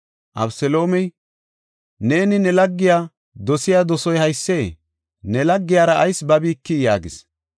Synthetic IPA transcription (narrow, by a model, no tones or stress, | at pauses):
ʔɐ̰bsɛlo̞ːmɛj | ne̞ːnɪnɛlɐɡːɪjaː | d̪ɔsɪjaːd̪ɔsɔjhɐjsːeː | nɛlɐɡːɪjaːɾɐʔɐjsbɐbiːkːɪjaːɡɪs